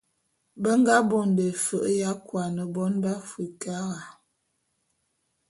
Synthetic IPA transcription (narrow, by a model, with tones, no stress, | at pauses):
bə˦ŋɡa˦bo˨ndə˨fə˦˨ʔja˦kwa˨nə˨bɔ˦nba˦fwi˨ka˦ɣa˨